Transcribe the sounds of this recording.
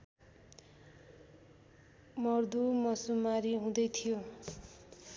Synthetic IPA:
mʌrd̪umʌsumaɾiɦũd̪ʌjt̪ʰijo

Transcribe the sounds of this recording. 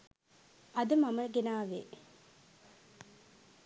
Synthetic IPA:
ʔɐd̪əmaməɡenaːʋe

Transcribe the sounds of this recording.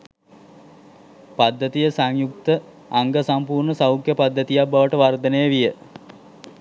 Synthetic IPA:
pad̪ːət̪ijəsaŋjuk̚t̪ə | aŋɡəsampuːrɳəsawkjəpad̪ːət̪ijabaʋəʈəʋard̪ənəjəʋijə

